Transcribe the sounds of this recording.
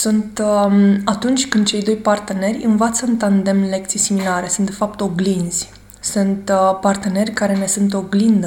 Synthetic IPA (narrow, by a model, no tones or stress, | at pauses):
sunt̪ | at̪unt͡ʃʲkɨnd̪̚t͡ʃe̞jd̪o̞jpart̪ene̞rʲɨnvat̪səɨnt̪and̪e̞mle̞k̚t̪sijsimilaɾe̞sunt̪d̪e̞fap̚t̪o̞ɡlinz̥ʲ | sunt̪part̪ene̞rʲkaɾe̞ne̞sunt̪̬o̞ɡlind̪ə